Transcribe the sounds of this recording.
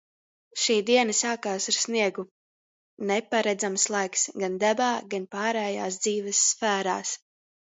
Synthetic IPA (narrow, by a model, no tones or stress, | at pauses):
ʃiːd̪iɛnasaːkaːsaɾsniɛɡu | nɛpaɾɛd̪zamslˠajksɡand̪abaːɡanpaːɾɛːjaːsd̪ziːvɛsːfæːɾaːs